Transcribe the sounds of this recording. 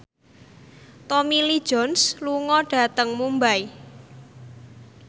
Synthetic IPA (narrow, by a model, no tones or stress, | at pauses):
t̪omili̥ʒ̥ɔ̤nsluŋɔɖ̥a̤t̪əŋmumbaj